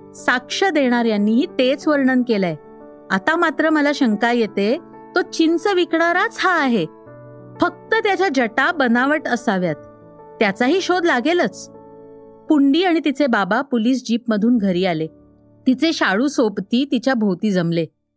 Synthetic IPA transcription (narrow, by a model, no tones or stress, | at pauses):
sakʂəd̪eɽ̃aɾjanːiːɦiːt̪et͡sʋəɾɳənkelae | at̪amat̪ɾəməlaɕəŋkajet̪e | t̪ot͡ɕint͡səʋikɽ̃aɾat͡sɦaːɦe | fək̚t̪ət̪jat͡ɕjad͡ʑəʈabənaʋəʈəsaʋjat̪̚ː | jat͡saɦiːɕod̪laɡelət͡s | puɳɖiːaɽ̃it̪it͡sebabapuliːs̬d͡ʑiːpməd̪ʱuːnɡʱəɾiːale | t̪it͡seɕaɭuːsopt̪iːt̪it͡ɕjabʱowt̪iːd͡zəmle